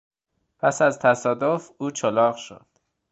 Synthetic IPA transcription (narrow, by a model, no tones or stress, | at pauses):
pʰæsæzt̪ʰæsɒːd̪ofuːt͡ʃʰolɒːɣʃo̰d̪̥